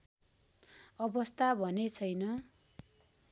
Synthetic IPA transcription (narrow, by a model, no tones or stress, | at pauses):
ʌbʌst̪abʱʌnet͡sʰʌjnʌ